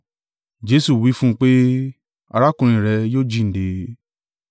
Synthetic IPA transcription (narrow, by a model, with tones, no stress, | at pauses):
d͡ʒe˦su˦˨wi˨˦fũ˦˧k͡pe˦ | a̰˧ɾa˦kũ˧ɾ̃ĩ˨ɾɛ˧joː˦d͡ʒi˦˨n̩˨de˨˦